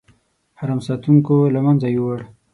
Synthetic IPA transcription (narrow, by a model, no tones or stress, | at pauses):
haɾamsɑt̪uŋkolamand͡zajuwaɽ